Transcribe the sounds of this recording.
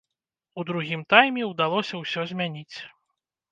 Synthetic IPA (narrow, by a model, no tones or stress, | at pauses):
ud̪ɾuɣʲimt̪ajmʲɛud̪alˠɔsʲɐwsʲɔzʲmʲanʲit͡sʲ